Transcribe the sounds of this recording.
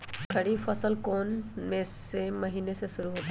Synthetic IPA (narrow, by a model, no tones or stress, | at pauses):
kʰəɽiːfəsəlkonmes | eməɦinesesuɾuːɦot̪e